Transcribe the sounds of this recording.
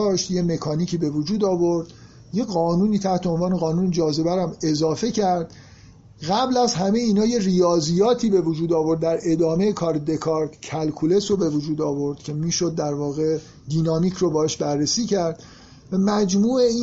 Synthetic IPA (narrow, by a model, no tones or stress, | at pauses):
ʃt̪je̞me̞kʰɒːniːcʰiːbe̞vod͡ʒuːd̪ɒːvo̞ɾd̪̥ | je̞ɣɒːnuːniːt̪ʰæht̪ʰeonvɒːne̞ɣɒːnuːned͡ʒɒːze̞bæɾæme̞zɒːfe̞cʰæɾd̪̥ | ɣæblæzɦæme̞jiːnɒːje̞rijɒːzijɒːt̪ʰiːbe̞vod͡ʒuːd̪ɒːvo̞ɾd̪ːæɾe̞d̪ɒːme̞jekʰɒːɾed̪e̞kʰɒɾt̪ʰcʰælkʰule̞sobe̞vod͡ʒuːd̪ɒːvo̞ɾd̪̥cʲʰe̞miːʃod̪̚ːæɾvɒːɣe̞ | d̪iːnɒːmiːcʰrobɒːheʃbæɾːesiːcʰæɾd̪̥ | væmæd͡ʒmuːei